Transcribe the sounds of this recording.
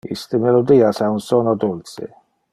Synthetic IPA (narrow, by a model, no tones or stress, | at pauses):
ḭst̪ɪmelod̪iːasaunsɔnod̪ulsḛ